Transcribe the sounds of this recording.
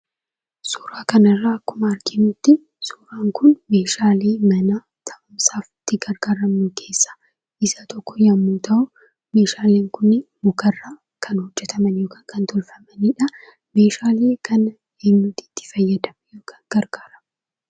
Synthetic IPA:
suːɾaːkɐnɐrːaːɐkːʊmɐːɾkʰɪnʊt̪ːɪ | suːɾaːŋkʊnme̞ːʃaːleːmɐna | t̪ʰɐʔɐmsaːfɪt̪ːɪɡɐɾɡ̥aːɾɐmːʊkʰe̞ːsːḁ | ʔɪsɐt̪ɔkːɔjɐmːuːt̪ʰɐʔʊ | me̞ːʃaːleːŋkʊnːɪmʊkɐrːaː | kʰɐnhɔd͡ʒːɛt̪ʰɐmɐnjo̞ːkaːŋkɐnt̪ʰɔlfɐmɐnɪᶑɐ | me̞ːʃaːleːkʰɐn | eːnːut̪ɪ̥t̪ːɪ̥fɐjːɐd̪ɐmɐjoːkʰaːŋɡ̥ɐɾɡ̥aːɾɐm

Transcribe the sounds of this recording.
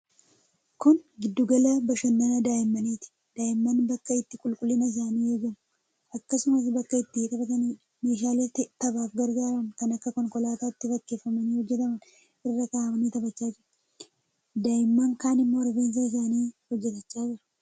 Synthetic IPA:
kʊnɡɪd̪ːʊɡɐlaːbɐʃɐnːɐnɐd̪aːʔɪmːɐniːt̪ɪ̥ | d̪̥aːʔɪmːɐnbɐkːɐɪt̪ːɪkʼʊlkʼʊlːɪnɐɪs̬aːniːɛd͡ʒɐmʊ | ʔɐkːɐsʊmɐs̬bɐkːɐɪt̪ːɪɪt̪ʼɐbɐt̪ɐniː | me̞ːʃ̬aːlɪt̪ːɪt̪ɐbaːfɡɐɾɡaːɾɐnkɐnɐkːɐkɔŋkɔlaːt̪aːɪt̪ːɪfɐkːe̞ːfːɐmɐniːhɔd͡ʒːɛt̪ɐmɐn | ʔɪrːɐk̪aːmɐniːt̪ɐbɐt͡ʃːaːd͡ʒɪɾɐ | d̪aːʔɪmːɐŋkaːnɪmːo̞ːɾbeːns̬aːɪs̬aːniːhɔd͡ʒːɛt̪ɐt͡ʃːaːd͡ʒɪɾɐ̥

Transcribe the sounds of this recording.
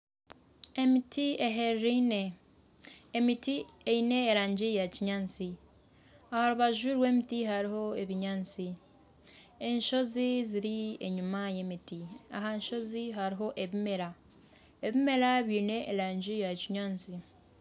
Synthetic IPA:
emitieɦeɾɾiineː | mitieine̞ːɾaːɲɟijaciɲaːnt͡si | ahaɾuβaʒwiːɾwe̞ːmitiɦaɾiɦo̞eβiɲaːnt͡si | e̞ɲʃo̞ziziɾieɲumaje̞mitia̰ɦaɲʃo̞ziɦaɾiɦo̞ʔeβime̞ɾa | eβime̞ɾaβiːne̞ːɾaːɲɟijaciɲaːnt͡si

